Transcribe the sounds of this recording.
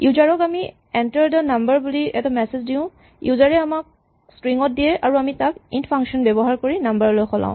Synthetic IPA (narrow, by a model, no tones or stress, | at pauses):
juzaɹɔkami | ɛntəɹdənambəɹbuliɛ̰tamɛsezdiʊ̃ | juzaɹɛamak̚ | stɹiŋɔt̚diɛʔaɹuamitakḭntpʰaŋkʃɔnbɛbɔɦaɹkoɹinambaɹlojxʰɔlã̰ʊ̃